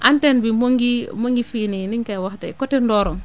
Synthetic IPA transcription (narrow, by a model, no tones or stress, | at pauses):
ʔantenbimoŋɡimoŋɡifininiŋkawaxtḛkotendɔːɾɔŋ